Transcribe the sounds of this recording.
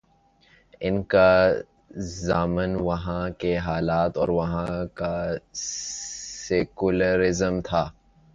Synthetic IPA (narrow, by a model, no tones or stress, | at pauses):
ɪnka | zaːmənʋɐɦãkeɦaːlaːt̪ɔːɾʋɐɦãka | sekuləɾɪzəmt̪ʰaː